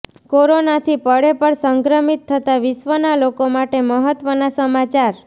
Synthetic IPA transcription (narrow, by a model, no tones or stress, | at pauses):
koɾonat̪ʰipəɭepəɳsəŋɡɾəmit̪ʰːət̪aʋɪʃʋənalokomaʈeməɦət̪ʋənasəmat͡ʃaɾ